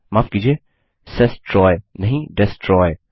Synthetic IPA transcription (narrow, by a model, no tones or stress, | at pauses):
maːfkiːd͡ʒie | sɛsʈɾɔːjnɐɦĩɖɛsʈɾɔːj